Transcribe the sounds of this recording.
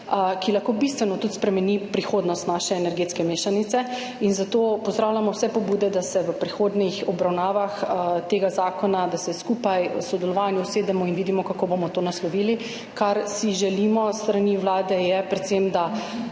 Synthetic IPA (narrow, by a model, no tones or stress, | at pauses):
kilaxkobist̪ʋɛnɔt̪ut̪spɾɛmɛnipɾixoːd̪nɔst̪naːʃɛːnɛɾɡeːt̪skɛmeːʃanit̪sɛ | inzat̪oːpɔzd̪ɾaːwlʲamɔwsɛpɔbuːd̪ɛd̪asɛʋəpɾixoːd̪nixɔbɾawnaːʋaxt̪eːɡazaːkɔnad̪asɛskuːpajɔ̰sɔd̪ɛlɔʋanjuseːd̪ɛmɔinʋiːd̪imɔkakobomɔt̪oːnaslɔʋiːli | kaɾsiʒɛlimɔst̪ɾaniwlaːd̪ɛjɛpɾɛt̪semd̪a